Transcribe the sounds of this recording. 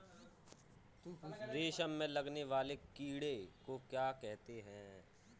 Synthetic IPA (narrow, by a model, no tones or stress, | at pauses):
d̪eːʃəmmẽlɐɡneʋaːlekiːɽekokjaːkɛɦt̪eɦɛ̃ː